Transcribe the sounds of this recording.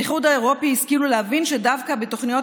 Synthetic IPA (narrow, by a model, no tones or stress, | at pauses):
iχud̪aeʁo̞pihiskilulehavinʃedavkabet̪o̞χnijo̞